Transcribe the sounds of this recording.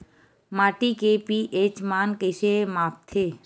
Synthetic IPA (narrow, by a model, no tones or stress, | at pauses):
maːʈikepiʔeːt͡ʃmaːnkeʃemaːpt̪ʰeː